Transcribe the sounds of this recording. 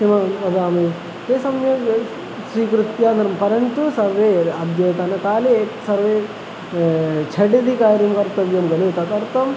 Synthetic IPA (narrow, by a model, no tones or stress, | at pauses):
ʃimɐɐd̪aːme | t̪eːsɐmjɐ | siːkɾut̪jaːnɐɾmɐpɐɾɐnt̪usɐɾʋeːad̪jɐjt̪aːnɐkaːlesɐɾʋeː | t͡ʃʰɐɖid̪ikaːɾimkɐɾt̪ɐʋjɐmɡɐleːt̪at̪ɐɾt̪ɐm